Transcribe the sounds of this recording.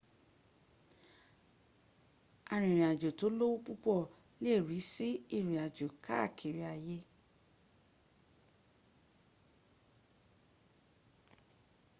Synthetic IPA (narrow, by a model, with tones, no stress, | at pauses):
a˨˧ɾ̃ĩ˨ɾ̃ĩ˨a˨d͡ʒo˨to˨˦lo˦wo˦pu˦k͡pɔ˦˨ | le˦˨ɾi˨˦si˦i˦˨ɾĩ˨a˨d͡ʒo˨kʰa˦˨kʰi˨ɾi˧˦a˧je˦